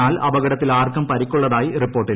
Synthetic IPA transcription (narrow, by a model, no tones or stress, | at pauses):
aːlɐbɐɣɐɽɐt̪ːilaːrkɐmpɐɾikʲːuɭːɐðaːjiripːo̞ːrʈːil